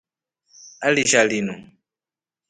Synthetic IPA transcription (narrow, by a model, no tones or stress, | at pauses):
aliʃalinu